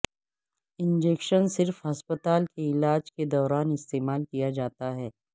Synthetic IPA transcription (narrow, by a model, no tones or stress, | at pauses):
ɪ̃nd͡ʒeːkʃənsɪɾfɦɐspət̪aːlkeɪlaːd͡ʒked̪ɔːɾaːnɪst̪eːmaːlkijad͡ʒaːt̪aɦɛː